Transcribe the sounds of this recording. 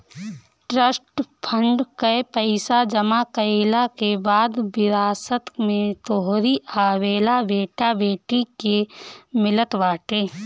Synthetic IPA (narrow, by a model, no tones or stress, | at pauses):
ʈɾəsʈpʰə̃ɳɖkəepəɪsad͡ʒəmakəɪlakebaːd̪bɪɾaːsət̪mẽt̪oɦɾiaːweːlabeːʈabeːʈikemɪlət̪ʋaːʈeː